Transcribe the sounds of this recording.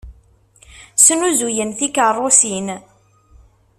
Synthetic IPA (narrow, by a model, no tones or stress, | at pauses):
snuzujənθikərˤːosin